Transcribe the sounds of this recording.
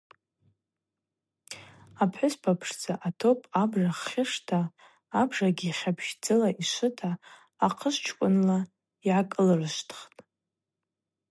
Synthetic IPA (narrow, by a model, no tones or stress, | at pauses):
apʰħʊspʰapʰʂd͡zaʔatʰopʼabʐaχːʲɪʂtʰaː | bʐaɡʲiːχʲabʰʒd͡zɨlaʔiʃʷɨtʰaː | qʰəʃt͡ʃʰkʷʼʊnla | iʕakʼɨlrɨʃtʰχtʼ